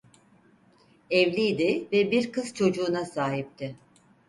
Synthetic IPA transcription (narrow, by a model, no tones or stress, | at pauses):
ɛvlʲijd̪ɪvɛbiɾkɯz̥t͡ʃʰo̞d͡ʒuːnasaːɦip̚t̪ʰɪ